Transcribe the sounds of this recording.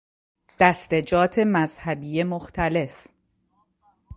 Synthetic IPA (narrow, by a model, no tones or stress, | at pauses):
d̪̥æst̪ed͡ʒɒːt̪ʰe̞mæzhæbiːjemoxt̪ʰæle̞f